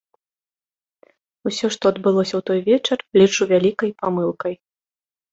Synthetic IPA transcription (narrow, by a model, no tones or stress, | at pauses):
usʲɔʂt̪ɔɐd̪bɨlˠɔsʲɐwt̪ɔjvʲɛt͡ʂɐrlʲit͡ʂuvʲalʲikɐjpamɨlˠkɐj